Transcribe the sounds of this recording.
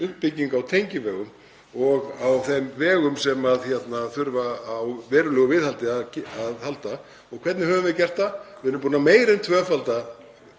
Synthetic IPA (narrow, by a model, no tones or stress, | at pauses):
ʏhppɪcːiŋkawt̪ʰejɲcɪvɛːɣʏm | ɔɣawθejmvɛːɣʏmsɛmaðçjɛt̪naθʏɾvaːwvɛːɾʏlɛːɣʏvɪðhalt̪ɪacaðhalt̪a | ɔɣkʰvɛt̪nɪhœvʏmvɪðcɛr̥t̪avɪɛɾʏmpuːnameːjɾɪnt̪ʰvœːfalt̪a